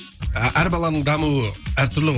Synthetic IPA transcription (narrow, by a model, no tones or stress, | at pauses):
ʔæɾbɑlˠɑnəɴd̪ɑmuwəæɾt̪ʰʏɾlɪ